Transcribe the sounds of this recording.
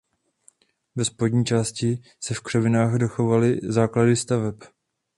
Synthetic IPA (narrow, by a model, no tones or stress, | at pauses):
vɛspo̞dɲiːt͡ʃaːscɪ | sɛfkr̥ɛvɪnaːxdoxo̞valɪzaːkladɪst̪avɛp